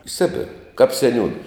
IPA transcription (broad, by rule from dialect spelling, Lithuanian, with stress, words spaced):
ɪ ˈsʲɪbʲɪrɐ kɐp sʲɛˈnʲuːnɐ